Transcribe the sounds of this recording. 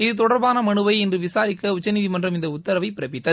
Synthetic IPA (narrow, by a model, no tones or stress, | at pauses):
ɪðɯt̪ɔɽɐɾbaːnɐmɐɳɯʋɐɪɛndrɯʋɪsaːɾɪkːɐʊt͡ʃːɐniðimɐndrɐmɪnd̪ɐʊt̪ːɐɾɐʋɐɪpɪɾɐpːɪt̪ːɐð